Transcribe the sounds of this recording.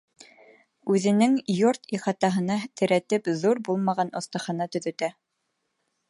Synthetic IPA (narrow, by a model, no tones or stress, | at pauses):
ʉðɘ̆nɘŋjoɾt̪iχɑt̪ɑɦɤ̆nɑt̪ʰɘ̆ɾæt̪ɘpðuɾbulˠmɑʁɑnŏθt̪ɑ̆χɑnɑt̪ɵ̆ðɵ̆t̪æ